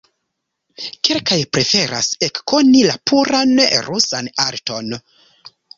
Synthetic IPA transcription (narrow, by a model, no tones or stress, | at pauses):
kelkajpɾe̞fe̞ɾa̰se̞kko̞nilapʰuɾanɾʔusanaɾto̞n